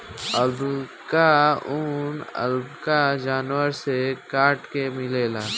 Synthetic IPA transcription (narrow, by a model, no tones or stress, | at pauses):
əlb | kaʊnə̰lbkad͡ʒaːnwəɾsekaːʈkemɪleːlaː